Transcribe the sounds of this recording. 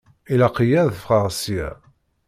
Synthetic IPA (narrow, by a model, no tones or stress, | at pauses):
ilæqijæðəfʁɑʁsiæ̰